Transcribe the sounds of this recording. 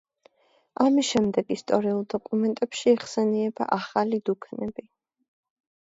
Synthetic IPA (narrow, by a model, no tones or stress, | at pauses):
amisʃɛmd̪ɛɡist̪ʼɔɾiulˠd̪ɔkʼumɛnt̪ʼɛpʃiːχsɛniɛba̰ʔaχalid̪ukʰnɛbi